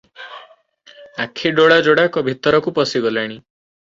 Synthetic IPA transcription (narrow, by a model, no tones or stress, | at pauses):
akʰiɖoɭad͡ʒoɽakɔbʱit̪ɔɾɔkupɔsiɡɔlaɽ̃i